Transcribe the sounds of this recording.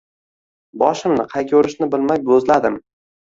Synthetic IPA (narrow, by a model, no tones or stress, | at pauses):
bɒʃɪmnɪqʰɑjkʲʰɵɾɪʃnɪbɪlmajbɵzlad̪ɪm